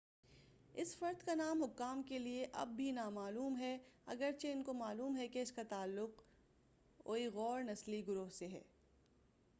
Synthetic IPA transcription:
ɪsfɐɾd̪kanaːmɦʊkːaːmkelieʔɐ̰b̚ːʱinamaːluːmɦɛɐ̰ɡəɾt͡ʃeɪnkomaːluːmɦɛkeɪskat̪aːlːʊq | oːiɣɔːɾnɐsliɡʊɾoɦseɦɛ̰ː

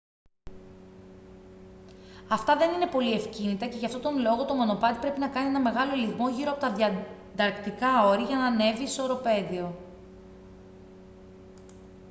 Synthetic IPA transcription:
ɐft̪ɐðe̞nine̞po̞lie̞fcinit̪ɐce̞ʝɐft̪o̞t̪o̞nlo̞ɣo̞t̪o̞mono̞pɐt̪i̥pɾe̞pinɐkɐnie̞nɐme̞ɣɐlo̞liɣmo̞ʝiɾoɐpo̞t̪ɐðjɐ | d̪ɐɾkt̪ikɐo̞ɾiʝɐnɐne̞vist̪oɾo̞pe̞ðio̞

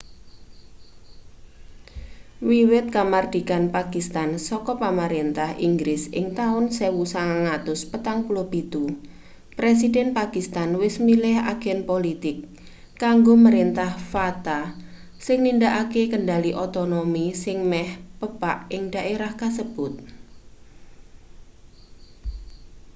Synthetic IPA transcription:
wiwɪt̪̚kamard̪̥i̤kanpakist̪ansɔkɔpaməɾint̪ahiŋɡɾɪsɪ̰ŋt̪aʊnsewusaŋaŋat̪ʊspət̪aŋpulobit̪u | pɾes̬idɛnpakist̪anwɪsmilɪɦa̰ɡ̥ɛnpolit̪ɪkː | aŋɡoməɾɪnt̪ahfat̪a | sɪŋnindaʔakekəɳɖaliʔot̪ɔnomisɪŋmɛhpəpaʔɪŋɖ̥a̤ʔeɾahkasəb̥ʊt̪̚

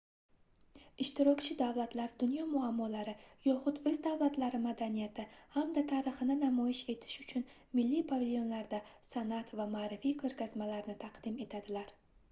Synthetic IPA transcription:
ɪʃt̪ɪɾɒkʲt͡ʃʰɪd̪avlˠat̪laɾd̪ʊnjɒmʊamːɒlaɾɪjɒχʊt̪ɵzd̪avlat̪laɾɪmad̪anijat̪ʰɪhamd̪at̪ʰaɾɨχɨnɪnamɒjɪʃe̞t̪ʰɪ̥ʃʊ̥t͡ʃʰʊn | mɪlːipʰavʲilʲjo̞nlaɾd̪asanat̪vamaːɾɪfikʰoɾɡʲazmalaɾnɪt̪ʰaqd̪ɪme̞t̪ʰad̪ɪlaɾ

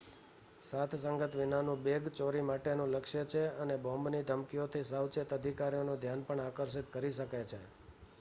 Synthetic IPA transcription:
sat̪ʰsəŋɡət̪ʋinanũbeɡt͡ʃoɾimaʈenũləkʃjət͡ʃʰeənebɔ̃mbnid̪ʱəmkijot̪ʰisawt͡ʃet̪əd̪ʱikaɾijonũd̪ʱjanpəɳakəɾs̬it̪kəɾiʃəkajt͡ʃʰe

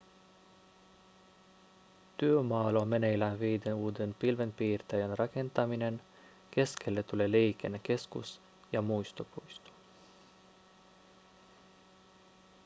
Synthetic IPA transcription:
t̪yømɑːlomenejlænʋejd̪enuːd̪enpilʋe̞npiːrt̪ejænrɑke̞nt̪ɑmine̞n | ke̞skʰelːet̪ulelejkenːeke̞skṵs | jɑmujst̪opujst̪o̥

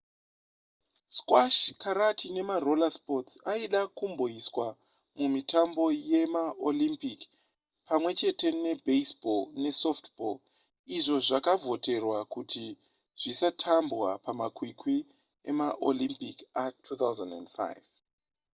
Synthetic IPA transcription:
skwaʃkaɾatʰine̞maro̞laspo̞tsaiɗakumbo̞iswa | mumitʰambo̞je̞maolimpik | pamwe̞t͡ʃe̞te̞ne̞beisbolne̞so̞ftbo̰l | iʐo̞ʐakavʱo̞te̞rwakuti | ʐ̥isatʰambwapamakwikwi | ḛmaʔo̰limpikatʰut̪awzandandfa̰jv

